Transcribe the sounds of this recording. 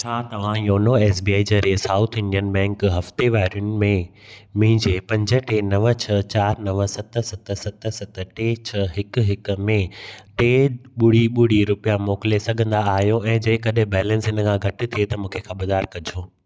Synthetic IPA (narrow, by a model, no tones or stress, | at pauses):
t͡ɕʰaːt̪ɐʋ̤ãjoːnoɛːsbiaːid͡ʑeːɾeːsaːʊt̪ʰɪ̃ɳɖijənbɛ̃ːŋkɦɐft̪eʋaːɾjʊnɪ̆mẽ | mĩːɲd͡ʑepɐ̃ɲd͡ʑə̆ʈeːnɐʋə̆t͡ɕʰɐt͡ɕaːɾnɐʋə̆sɐt̪ə̆sɐt̪ʰə̆sɐt̪ə̆sɐt̪əʈeːt͡ɕʰɐɦɪk̆ɦɪk̆mẽt̪eːɓʊɽiɓʊɽ̤iɾʊpijamɔːkɪlesɐɡʱə̃nd̪aaːɦijoɛ̃ːd͡ʑẽːkɐɗɦɪ̃bɛːlə̃nsɦɪnəkʰãːɡʱɐʈɪ̆t̪ʰiet̪ɐmũːkʰekʰãbɐd̪aːɾkɐd͡ʑʱoː